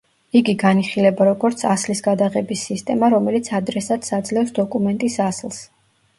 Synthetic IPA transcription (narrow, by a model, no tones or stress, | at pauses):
iɡiɡaniχilɛbaɾɔɡɔɾt̪sʰaslisɡad̪aʁɛbisːist̪ʼɛmaɾɔmɛlit̪sʰad̪ɾɛsad̪̥sad̪zlɛfsd̪ɔkʼumɛnt̪ʼisaslˠs